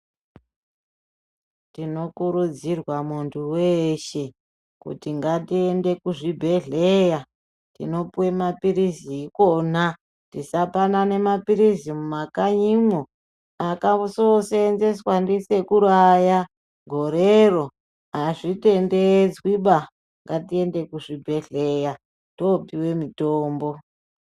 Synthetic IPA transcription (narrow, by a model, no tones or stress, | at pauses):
tino̞kuɾud͡zirwamuntʰuweʃe̞ | kṵtiŋɡatiende̞kuʐibʱe̞ɮeja | tḭno̞puwe̞mapiɾisiiːkon̤a | tisapanane̞mapiɾisimumakaɲimo | akausosenzeswandise̞kuɾaja | ɡʱoɾero | ɦaʐite̞nded͡zwiɓa | ŋɡatie̞nde̞kuʐibʱe̞ɮeja | topiwe̞mitoːmbo̞